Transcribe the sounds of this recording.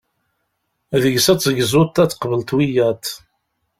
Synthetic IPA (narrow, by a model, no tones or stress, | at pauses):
æðəʝsæt͡sːəɡzʊt̪ːæt͡sːqvəlt̪wijæt̪